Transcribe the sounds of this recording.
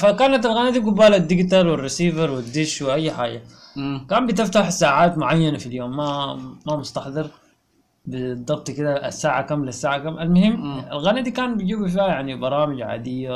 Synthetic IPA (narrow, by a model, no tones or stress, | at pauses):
fakaːnat̪alɣanad̪ibɡʊbaːlad̪ːɪɡt̪ɑɾˤwɪrːisiːvɑɾˤwɪd̪ːɪʃwɪʔajːħaːd͡ʒa | kaːmbɪt̪ɪft̪aħsaːʕaːt̪mʊʕajːanafiljoːmːamamʊst̪ɑħd̪ˤɨɾ | bɪd̪ˤɑbt̪ˤkɪd̪a̰sːaːʕakamlasːaːʕakamalmʊhɪmːalɣanad̪ikaːnbid͡ʒiːbifiːhajaʕnibɑɾˤɑːmɪd͡ʒʕa̰ːd̪ɪjːa